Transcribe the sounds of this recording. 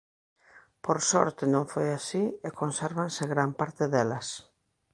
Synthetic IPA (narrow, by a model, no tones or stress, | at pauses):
poɾsɔ̰ɾt̪enõɱfojasiekonsɛɾβanseɣɾampaɾt̪eðelɐs